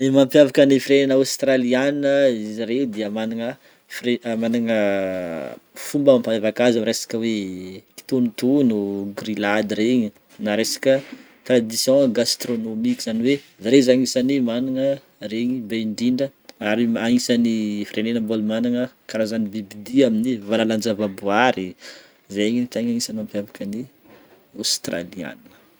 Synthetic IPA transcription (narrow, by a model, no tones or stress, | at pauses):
emãmpjavakənifiɾenenawst̪ralianəiziɾewd̪iəmaniŋə | fremaniŋə | fumbəmampaavakazamɾesḁkʲəweki̥t̪onit̪unuɡrilad̪reɲi | naɾesḁkʲə | t̪rad̪isjɔ̃ɡast̪ronomikizaniwe | zaɾezaŋisanimanaŋə | reɲibeiɳɖ͡ʐiɳɖ͡ʐəaɾiaŋisanifiɾenenəbolmanaŋəkaɾazanibibid̪iaminivalaland͡ʒavabuaɾi | zeɲinit̪eɲaŋisanampavakəni | ast̪ra̰lia̰n